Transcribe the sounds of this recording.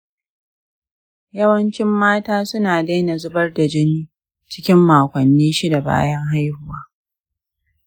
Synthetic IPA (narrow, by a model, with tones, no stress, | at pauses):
jɐ˦wɐ˦nt͡ʃɪ˦mːaː˦taː˦sʊ˦naː˨da˦jna˨zʊ˦bɐ˦rda˨d͡ʒɪ˦niː˦ | t͡ʃɪ̥˦kʲɪ˦mːaː˨kʷɐ˨nːiː˦ʃi˦da˨ba̰ː˦jɐ˦ŋɦa˦jhʊ˦˨waː˦